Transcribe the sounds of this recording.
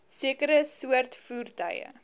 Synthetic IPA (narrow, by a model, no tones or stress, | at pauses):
siəkəɾəsuərtfuːrtœ̰jə̰